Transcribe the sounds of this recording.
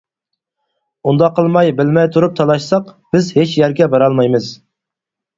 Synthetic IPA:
und̪ɑqʰːəlˠmɑjbɪlmɛjt̪ʰuɾup̚t̪ʰɑlˠɑʃsɑqb̥ɪzhet͡ʃjæɾɡʲɛbɑɾɑlˠmɑjmɨz

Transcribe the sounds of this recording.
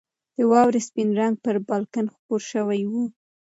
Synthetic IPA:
d̪̥əwɑwɾespinɾaŋɡ̚pəɾbɑlkanxpoɾʃəwajwu

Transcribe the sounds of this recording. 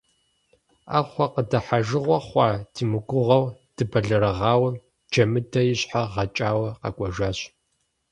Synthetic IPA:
a̰ːχʷɔqədɐħaʒɨʁʷɔχʷɑdʰiːmɨɡʷʊʁɐwd̥ɨbɐɮɐɾɐʁɑːwɐm | d͡ʒɐmɨdʰɐjɪɕħaʁɐt͡ʃʼaːwɐqɐ̰kʷʼɔʒaːɕ

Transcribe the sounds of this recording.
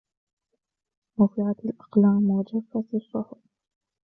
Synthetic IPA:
mʊfɪʕat̪alʔḁqlaːmwad͡ʒafːat̪ɪrˤːʊhʔ

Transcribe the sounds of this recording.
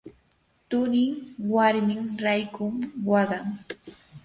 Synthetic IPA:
t̪ʊɾɪŋwaɾmɪŋɾajkʊŋwɑɢɑŋ

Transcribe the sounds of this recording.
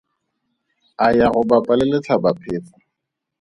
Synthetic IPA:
ajaɣʊbapʼalɪlet͡ɬʰabapʰɪːt͡sa

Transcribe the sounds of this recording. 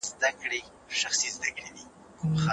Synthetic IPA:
zd̪akɽe | ʃaxsizd̪akɽed̪i | xa

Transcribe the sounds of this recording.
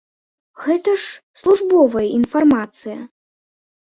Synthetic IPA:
ɣɛt̪ɐʂslˠuʐbɔvɐjɐinfarmat̪sɨjɐ

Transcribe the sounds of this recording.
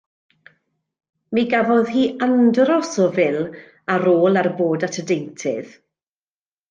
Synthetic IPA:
miɡavɔðhiːʔandrɔsɔvɪlˠ | aɾoːlˠarboːdatʰədejntʰɪ̰ð

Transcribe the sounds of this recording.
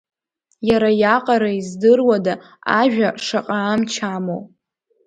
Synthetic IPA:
jaɾajaqʼaɾaizdɨrwada | a̰ʒᶣaʂaqʼaːmt͡ʃʰamo̰w

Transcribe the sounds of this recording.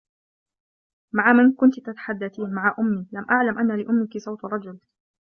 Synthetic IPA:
maʕamankʊnt̪t̪at̪ḁħad̪ːaθiːnmaʕaʔʊmːiːlamʔaʕlamʔanːalɪʔʊmːɪkɪsˤɑwt̪rˤɑd͡ʒʊl

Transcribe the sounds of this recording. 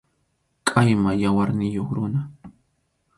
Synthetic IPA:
kʼajmajawaɾnɪjoχɾʊna

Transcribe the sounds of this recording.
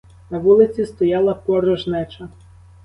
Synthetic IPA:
nɐʋulˠɪt͡sʲist̪ɔjɑlˠɐpɔɾɔʒnɛt͡ʃɐ

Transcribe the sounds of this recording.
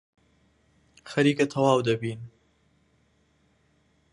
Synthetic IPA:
xɐɾiːkat̪ʰɐwɑːwd̪ɐbiːn

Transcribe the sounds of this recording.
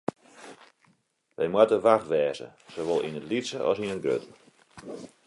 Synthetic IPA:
ʋʔɛjmwatəʋaxʋɛːzə̰soʋɔlˠḭnətlitsəʔɔ̰sinətɡrø̰tə

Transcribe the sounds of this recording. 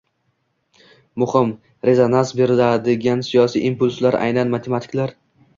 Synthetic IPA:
mʊhɪm | ɾe̞zonansbe̞ɾad̪ɪɡʲansijɒsḭʔimpʊlʲˠslaɾʔa̰jnanmat̪ʰe̞mat̪ʰɪ̥kʲlaɾ

